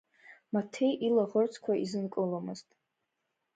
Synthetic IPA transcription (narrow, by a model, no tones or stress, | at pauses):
matʰejʔilaʁərt͡sʰkʷʰaʔizɨnkʼɨlamɨztʼ